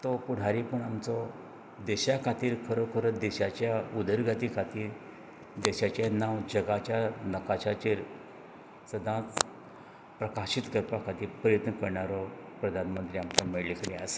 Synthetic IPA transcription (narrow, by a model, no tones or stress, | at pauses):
t̪ɔpuɽ̤aɾipəɳamt͡sɔ | d̪eɕakʰat̪iːɾkʰəɾokʰəɾəd̪eɕat͡ɕjaud̪ʱəɾɡat̪ikʰat̪iːɾ | d̪eɕat͡ɕjanaʋd͡ʑəɡat͡ɕjanəkaɕat͡ɕeɾ | səd̪ʱãt͡s | pɾəkaɕit̪kəɾpakʰat̪iːɾpɾəjət̪nəkəɾɳaɾɔpɾəd̪ʱanmənt̪ɾiamt͡sameɭlikəɽea̰s